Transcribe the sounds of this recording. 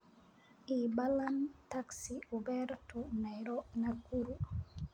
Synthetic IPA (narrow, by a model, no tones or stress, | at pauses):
ʔibalantaksiubɛɾtunaɾɔnakːuɾu